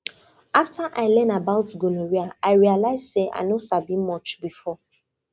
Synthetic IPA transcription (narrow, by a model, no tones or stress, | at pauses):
aftaʔaɪlɛnabaʊtɡonoɾiaaɪɹialaɪzseʔa̰nosavĩmmɔt͡ʃbifɔ